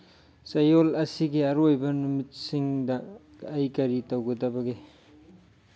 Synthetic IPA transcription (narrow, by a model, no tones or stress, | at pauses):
sɐjolɐsiɡiɐɾojbɐnumit̚siŋdɐː | jkɐɾitɐwɡɐdɐbɐɡe